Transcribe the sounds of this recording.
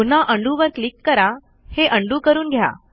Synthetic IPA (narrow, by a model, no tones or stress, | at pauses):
un̤aʔəɳɖuʋəɾklikːəɾa | heʔəɳɖuːkəɾuːnɡʱja̰